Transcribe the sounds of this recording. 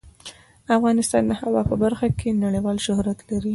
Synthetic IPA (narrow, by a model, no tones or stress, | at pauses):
afɣɑnɪst̪ɑ̰nd̪əhawɑpəbaɾxakʰenaɽəjwɑlʃʊhɾat̪laɾi